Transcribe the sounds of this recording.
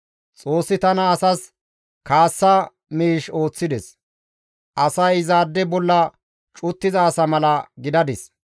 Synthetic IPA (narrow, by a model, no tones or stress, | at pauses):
t͡sʼo̞ːsːɪt̪ɐnɐːsɐs | kaːsːɐ | miːʃo̞ːt͡sːɪd̪ɛs | ʔɐsɐjzaːd̪ːɛbɔlːɐ | t͡ʃʼʊt̪ːɪzɐːsɐmɐlɐɡɪd̪ɐd̪ɪs